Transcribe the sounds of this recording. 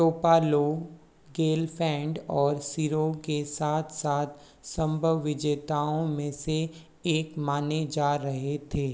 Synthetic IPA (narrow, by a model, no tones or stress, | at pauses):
ʈoːpaːloɡ | ɡeːlpʰɛ̃ːɳɖɔːɾsiːɾokesaːt̪ʰsaːt̪ʰ | sə̃mbʱəʋːɪd͡ʒeːt̪aːõmẽseː | kmaːned͡ʒaːɾɐɦet̪ʰeː